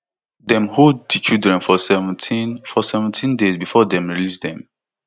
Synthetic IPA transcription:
dɛ̃mɦod̚dit͡ʃidɹɛ̃nfɔsɛṽtʰinfɔsɛvə̃ntʰĩndezbifɔdɛ̃mɹilisd̪ɛ̃m

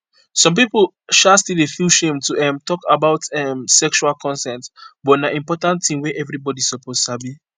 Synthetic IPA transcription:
sɔ̃mp̬ip | ʃastilefuʃẽmtuɛ̃mtɔkabaʊtɛmsɛkʃualkʰɔ̃nsɛ̃ntbɔtnaʔĩmpɔtãntθĩmweʔɛvɹibɔdisɔpoztabi

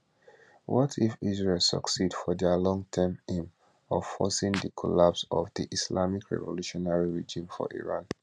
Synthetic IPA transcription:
wɔtʰifisɹelˠsɔ̰ksidfɔdɛlɔ̃ŋtʰɛmĩm | ɔfɔsĩŋdikʰɔlapsɔvdiʔislamikʰɹɛ̰vɔluʃɔnaɹiɹid͡ʒĩmfɔ̰ʔḭɹãn

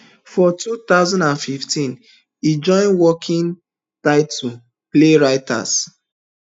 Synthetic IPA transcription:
fɔtut̪aʊzãndãnfiftĩn | id͡ʒɔ̃ɪ̃nwɔkʰĩŋ | taɪtʰu | pleɹaɪta̰s

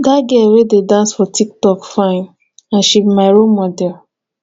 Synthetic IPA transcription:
daɡɛwededãnsfɔtʰik̚tɔkfãɪ̃n | ãnʃipmaɪɹomɔdɛl

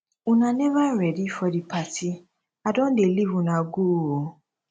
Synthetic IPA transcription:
unãnɛ̃vaɾɛdifɔdipati | adɔ̃delivũnãɡoo

